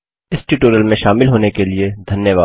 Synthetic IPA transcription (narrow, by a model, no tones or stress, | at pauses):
ɪsʈiʈoːɾəlmẽʃaːmɪlɦoːnekelied̪ʱɐnjəʋaː